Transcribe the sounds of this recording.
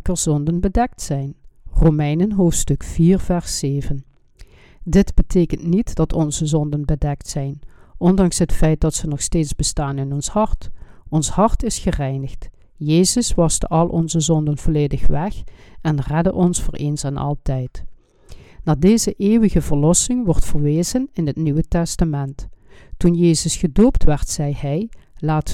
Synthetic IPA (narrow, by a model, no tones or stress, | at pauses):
kəɹzɔndənbədɛk̚tsɛjnroːmɛjnənɦoːftstɵkfiːrv̥ɛɹseːvən | dɪdb̥ətʰeːkəntnitd̥ɑtʰɔnzəzɔndənbədɛk̚tsɛjnʔɔndɑŋsɦətfɛjt̚dɑtsənɔxsteːtzbəstaːnɪnɔnshɑɹtɔnshɑɹtɪsχərɛjnəxt | jeːzəsʋɑstəʔɑlˠʔɔ̰nzəzɔndənvoleːdəxʋɛxɛnrɛdəʔɔnsfʊːɹʔeːnsɛnʔɑ̰lˠtɛjt | naːdeːzəʔeːʋəɣəvəɹlɔsɪŋʋɔɹtfəɹʋeːzənɪnɦətnyʋətɛstamɛnttunjeːzəsχədoːptʋɛɹtsɛjhɛjlaːt